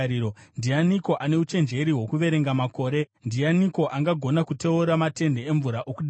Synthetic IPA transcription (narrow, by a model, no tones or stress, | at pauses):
iondianiko̞ʔane̞ut͡ʃe̞nd͡ʒe̞ɾiɦwo̞kuʋe̞ɾe̞ŋɡamako̞ːɾe̞ndianiko̞ʔaŋɡaɡʱo̞nakute̞uɾamate̞nde̞eɱvuɾaʔokuɗ